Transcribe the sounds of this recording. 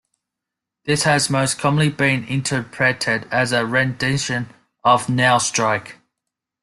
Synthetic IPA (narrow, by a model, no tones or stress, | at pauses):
ðɪshəzməʊskʰɒmə̃nlibĩnɪ̰̃ntʰəpʰɹ̥ɛtʰɪdəzəɹɛ̃ndɪʃə̃n | əvnɛɪlˠstɹ̥aɪk